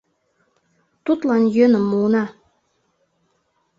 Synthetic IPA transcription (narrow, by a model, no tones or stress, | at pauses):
t̪ut̪lˠɑnjønəmːulnɑ